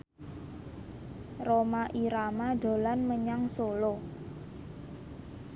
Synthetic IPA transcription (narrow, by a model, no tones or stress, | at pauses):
romaʔiɾamaɖ̥o̤lanməɲaŋsolo